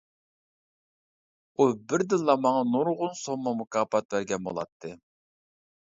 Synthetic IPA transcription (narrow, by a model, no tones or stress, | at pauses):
ubɪɾd̪ɨnːɑmɑŋɑnuɾʁʊnsomːɑmukʰɑːpɑt̪væɾɡʲɛnbo̰lˠɑ̰t̪ʰːɨ